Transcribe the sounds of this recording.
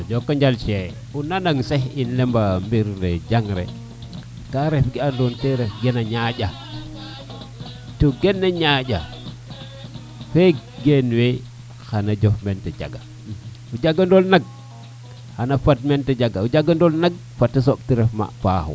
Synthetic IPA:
od͡ʒokːaɲd͡ʒalt͡ʃe | unanaŋsehinlembambiɾded͡ʒaŋɾḛ | kaɾefɡiandonteɾefɡenaɲaɟa | toɡenːaɲaɟa | fe | ɡenwe | xanad͡ʒofmented͡ʒa̰ɡa | ud͡ʒaɡandolnaɡ̚ | xanafatmented͡ʒaɡaud͡ʒaɡandolnaɡ̚ | fatːisoɓtiɾefma̰pa̰xo̰

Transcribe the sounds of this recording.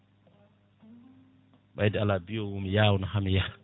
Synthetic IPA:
ɓajdɛalabijɔwumijaːwnahamija

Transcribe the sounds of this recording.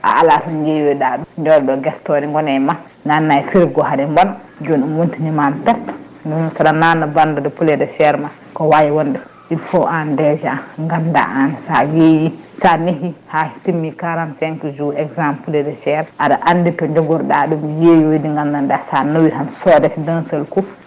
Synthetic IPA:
ʔa̰ʔalatɔnd͡ʒejoɗaɗuɲd͡ʒɔɾɗɔɡɛɾtɔdɛŋɡɔnɛma | nanːajfiɾɡɔɦadɛŋɡɔn | d͡ʒonumwuntinimamtatː | nsadananabandɔdɛpulɛdɛʃɛɾma | kɔwajiwɔndɛ | ʔifɔʔandɛd͡ʒaŋɡanda̰ʔansajejisaniɦihahi̥timːikaɾansɛŋkud͡ʒuɛɡzampulɛdɛsɛɾʔadaʔanːdipɔɲd͡ʒɔɡɔɾɗaɗumjejoidiŋɡandandasanowihansɔdɛfdansəlku

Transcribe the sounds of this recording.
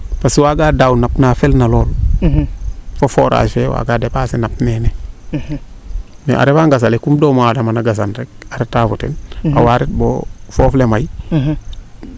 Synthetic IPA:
paswaɡaːdawnapnafelnaloːl | fofoːɾa̰ːsfewa̰ːɡaːdepaːsinapnene | mḛʔa̰ɾefaŋɡas̬alekumdoːmadamanaɡas̬anɾek̚aɾetafutḛna̰waɾet̚bo̰foːflemaj

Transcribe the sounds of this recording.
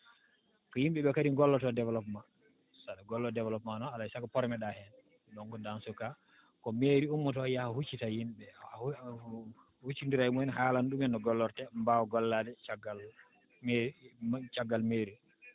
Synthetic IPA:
kɔjimɓɛɓɛkadiŋɡɔlːɔtɔdɛvɛlɔpma | saɗaɡɔlːɔdɛvlɔpmanɔalajsakɔpɔɾɛmɛɗahɛn | ɗɔŋkɔndansuka | kɔmeɾiumːɔtɔjahahut͡ʃːitajimɓɛ | hut͡ʃːindiɾajimuhɛnhaːlanɗumɛnːɔɡɔlːɔɾtɛmbawɔɡɔlːadɛt͡ʃaɡal | t͡ʃaɡːalmeɾi

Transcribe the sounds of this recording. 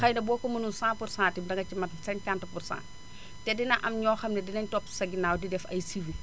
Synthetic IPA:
xɐjnɐbɔːkːɔmɐnunsãːpursãːntimdɐŋɡɐcimɐtsɛnkantɐpursã̰ːn | tɛdinɐʔɐmɲɔːxɐmnɛdinɐɲtɔpsɐɡinaːwdidɛfɐ̰jsiwi

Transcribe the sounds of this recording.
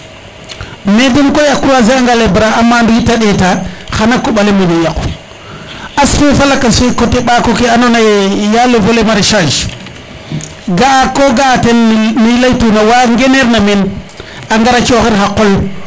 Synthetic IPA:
medenkojakːuazeaŋɡalebɾaamːanduɡitaɗetaxanakːoɓalemedejaku | asfefalakasekoteɓakokeanonajejalovolemaɾiʃad͡ʒ | ɡaakoɡatennilajtunawaŋɡeneɾnamen | aŋɡaɾat͡ʃoxiɾxakol

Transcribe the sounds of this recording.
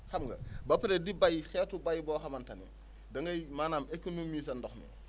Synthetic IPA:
xɐmɡɐ̰bɐpːɐɾɛdibajxɛːtubajbɔːxɐmɐntɐnḭ | dɐŋɡɐjmaːnaːmekːonomiːs̬ɐndɔxnɛ̰

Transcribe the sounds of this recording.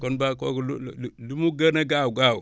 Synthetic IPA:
konbakoɡllumuɡənaɡawuɡawu

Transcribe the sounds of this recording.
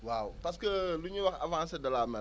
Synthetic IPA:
wawpas̬kəluɲiwakavãːsedalaːmɛ

